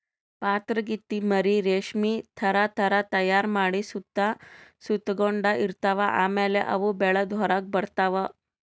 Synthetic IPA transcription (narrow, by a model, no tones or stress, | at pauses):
pat̪ɾəɡit̪ːiməɾiɾeʂmit̪ʰɐɾat̪ʰəɾat̪ɐjaɾmaɽisud̪ːasut̪ɡoɳɖaʔiɾt̪aʋaʔameleʔɐ̰ʋubeɭəd̪ʱʋɔɾak̚bəɽt̪aʋa